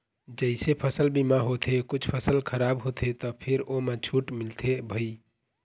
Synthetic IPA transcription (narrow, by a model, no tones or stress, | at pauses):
d͡ʒəɪsepʰəsəlbimaɦot̪ʰekut͡ʃʰpʰəsəlkʰəɾabɦot̪ʰet̪ɔpʰiɾomet͡ʃʰuʈmilt̪ʰebʱəi